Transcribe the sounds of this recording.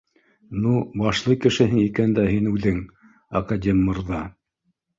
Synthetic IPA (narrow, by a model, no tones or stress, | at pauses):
nubɑʃlˠɤkɘ̆ʃɘ̆ɦɘŋikænd̪æɦinʉðɘŋ | ɐkad̪ʲemːɤ̆rðɑ